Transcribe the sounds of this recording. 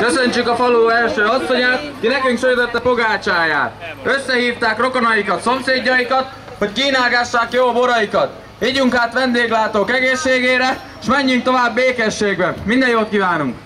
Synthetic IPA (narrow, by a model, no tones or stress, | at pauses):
kø̞sø̞ɲt͡ʃykɒfɒloːɛlʃøːɒsːo̞ɲaːt̪kinɛkyŋkʃøɾit̪øt̪ːɛpo̞ɡaːt͡ʃaːja̰ːt̪ø̞sːɛɦiːft̪aːkro̞kɒnɒjikɒt̪so̞mseːɟːɒjikɒt̪ | ho̞ckiːnaːɡaʃːaːkjoːbo̞ɾɒjikɒt̪ | hiːɟuŋkaːt̪ʋɛnd̪eːɡlaːt̪oːkɛɡeːʃːeːɡeːɾɛ | ʃmɛɲːyŋk̚t̪o̞vaːbːeːkɛʃːeːɡbɛmind̪ɛjoːt̪̚kiːvaːnuŋk